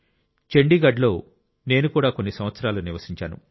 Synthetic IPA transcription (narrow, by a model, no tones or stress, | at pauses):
t͡ʃe̞ɳɖiːɡɐɖlo̞ː | ne̞ːnukuːɽaːko̞nːisɐmʋɐt̪sɐɾaːluniɾʋɐsiɲt͡ʃaːnṵ